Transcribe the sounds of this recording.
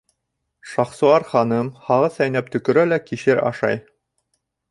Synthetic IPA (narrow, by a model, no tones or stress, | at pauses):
ʃɑχsuɑɾχɑnɤmhɑʁɤsæjnæp̚t̪ɵ̆kɵ̆ɾælækiɕɘɾɑ̰ʃɑ̰j